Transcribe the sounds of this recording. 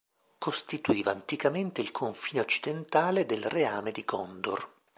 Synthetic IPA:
kost̪it̪uiːvaːnt̪ikament̪eilkʰoɱfiːneot͡ʃːid̪ent̪aːled̪elreaːmed̪iɡɔnd̪o̰r

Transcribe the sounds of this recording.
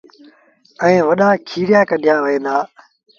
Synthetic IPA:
ɛ̃ːʋəɗaːkʰiːɾɪjaːkəɗʱjaːʋəẽːnd̪aː

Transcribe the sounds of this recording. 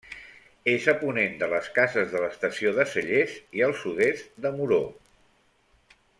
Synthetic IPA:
ezəpunend̪ələskazəzðələst̪əsioðəsəʎeziəlˠsuðest̪d̪əmuɾo

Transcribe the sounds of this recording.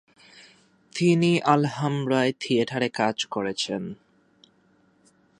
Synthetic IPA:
t̪iniʔalɦamɾaet̪ʰieʈʰaɾekad͡ʑkoɾet͡ɕʰen

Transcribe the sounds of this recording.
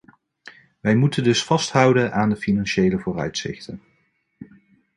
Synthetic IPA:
ʋɛjmutəndɵsfɑstɦʌwdənʔaːndəfinɑnʃejləvʊːrœ̰ɥtsɪ̰χtən

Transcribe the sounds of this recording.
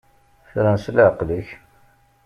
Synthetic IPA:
θɾænslʕqləç

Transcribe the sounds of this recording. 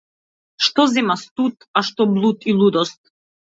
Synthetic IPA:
ʃt̪ɔzɛmast̪ut̪aʃt̪ɔblˠut̪ilˠud̪ɔst̪̚

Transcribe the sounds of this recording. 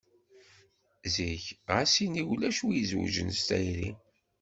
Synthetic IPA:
ziçʁasiniwlæʃuijzwʒə̰nst̪æjɾḭ

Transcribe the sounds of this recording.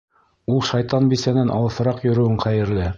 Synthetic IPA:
ulˠʃɑjt̪ɑnbisænænʔɑ̰lˠɤ̆sɤ̆ɾɑqjɵ̆ɾɵ̆wɘɴqæjɘ̆ɾlɘ

